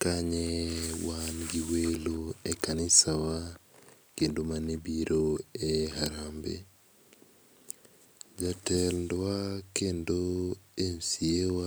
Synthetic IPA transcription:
kaɲewanɡiweloekanɪsawa | kendomanebiɾʔoeɦaɾambḛ | d͡ʒatɛldwakendoemsiewa

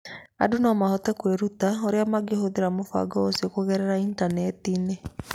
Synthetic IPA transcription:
a̰dunɔmahɔtɛkweɾutaoɾeamaɡeɦoðeɾamofa̰ɡɔosiokoɣɛɾɛɾaintanɛtine

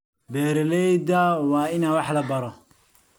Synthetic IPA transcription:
bɛːɾɛlɛjd̪ɐwɑːɪnawɑħlɐbɐɾɔ

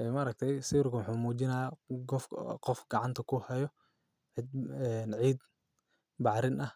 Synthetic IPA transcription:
ʔɛmɐːɾɐk̚t̪ʰɛjsiːrkʰɐwɑħuːmuːt͡ʃɪnɐjaɡɔfqɔfɡɑʕɑnt̪ʰɐkʰʊhɐjɔ | ʕɪd̪̚ɛːnʕiːd̪ | bɑħɾɪnʔɐh

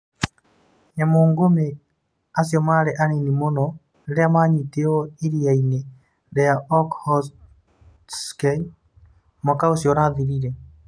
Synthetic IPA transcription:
jamoːŋɡome | asjomaɾeʔaninimonɔ | eɾeamaɲiteoiɾiaine | ɾejaʔɔkhɔs | ske | mokaosjoɾaðiɾiɾe

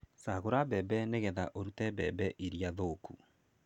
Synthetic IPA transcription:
saɣoɾabɛbɛneɣɛða̰ʔoɾutɛbɛbɛʔiɾiaðoku

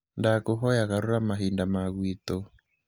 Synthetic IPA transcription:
ndakoɦɔjaɣaɾoɾamaɦindamaɣwit̪o

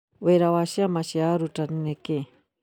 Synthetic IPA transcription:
weɾawaʃiamaʃiaɾutanineke

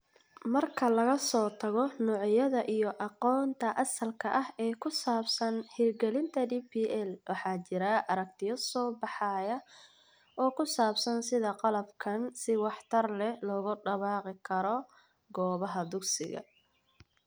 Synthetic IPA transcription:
mɐrkʰɐlɐɣɐsɔːt̪ʰɐɣɔnɔːʕjɐðɐʔijɔʔɑqɔːnt̪ʰɐʔɐsɐlkʰɐʔɐhɛːkʰʊsaːbsɐnhiːrɡɛlɪnt̪ʰɐdiːpiːʔɛlwʔɑħɑːt͡ʃɪɾɐʔɐɾɐk̚t̪ʰɪjɐsɔːbɑħɑːjɐ | ɔːkʰʊsaːbsɐnsɪðɐqɑlɐbkʰɐnsɪwɑħt̪ʰɐrlɛlɔːɣʊɖɐβɑːqɪkʰɐɾɔ | ɡɔːβɐɦɐd̪ʊɡsɪ̰ɣɐ̰

